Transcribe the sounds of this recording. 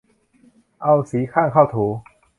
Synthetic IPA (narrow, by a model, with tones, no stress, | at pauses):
a˥˧˩wsi˨˦kʰa˥˧nkʰa˥˩wt̪ʰu˨˦